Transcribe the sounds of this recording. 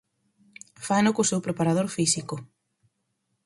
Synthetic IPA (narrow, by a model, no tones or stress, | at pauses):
fanokosewpɾepaɾað̞oɾfisikʊ